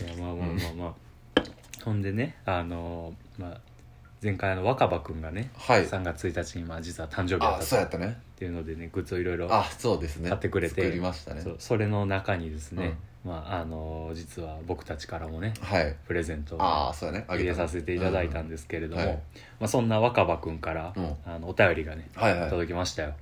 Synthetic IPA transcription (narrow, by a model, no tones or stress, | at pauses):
jamaːmaːmaːmaː | hõ̞nd̪e̞ne̞ano̞ | maː | zẽ̞ŋkajano̞βakabakɯ̟̃ŋɡane̞haisãŋɡat͡sɨt͡sɨit̪at͡ɕiɲ̟imad͡ʑit͡sɨβat̪ʰãɲ̟d͡ʑobiat̪ːasoojat̪ːanet̪ːe̞iɯ̟nod̪e̞ne̞ɡɯ̟t͡sɨo̞iɾo̞iɾo̞soːd̪esɨnekat̪ːe̞kɯ̟ɾe̞t̪eimaɕi̥t̪anesoːso̞ɾe̞no̞nakaɲ̟id̪e̞sɨne̞maʔːno̞d͡ʑit͡sɨβabo̞kɯ̟̥t̪at͡ɕi̥kaɾamo̞ne̞haipɯ̟ɾe̞zẽ̞nt̪o̞a̰soːjaneaesase̞t̪e̞it̪ad̪ait̪ãnd̪e̞sɨ̥ke̞ɾe̞d̪o̞mo | masõ̞nːaβakabakɯ̟̃ŋkaɾaːno̞ːt̪ajo̞ɾʲiɡane̞hajhat̪od̪o̞kʲimaɕi̥t̪ajo̞